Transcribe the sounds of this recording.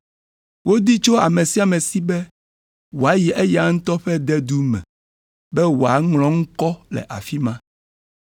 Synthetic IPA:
wʔo˦d̪i˦t͡ʃo˦a˨mẽ˨si˦a˨mẽ˨si˦bɛ˦ | wo˨a˨ji˨ʔe˦ja˨˦ŋ̩̃˦t̪ɔ˦ɸɛ˦d̪ɛ˦d̪u˦mɛ̰̃˨ | bɛ˦wo˨a˨ŋlɔ̃˦ŋ̩˦kɔ˦lɛ̰˨ʔa˨fi˦mã˦

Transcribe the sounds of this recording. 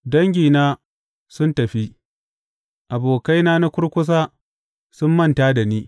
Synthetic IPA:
dɐ˦ŋɡʲiː˨naː˦ | sʊ˦ntɐ˨ɸi˦ | ʔa˨boː˨ka˦jnaː˦na˦kʷʊ˦ɽkʷʊ˦s̬aː˦ | sʊ˦mːɐ˦˨ntaː˦da˨niː˦

